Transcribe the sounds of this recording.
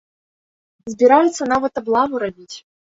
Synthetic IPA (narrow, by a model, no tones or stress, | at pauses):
zʲbʲɪɾajɛt̪sːɐnavɐt̪ablˠavuɾabʲit͡sʲ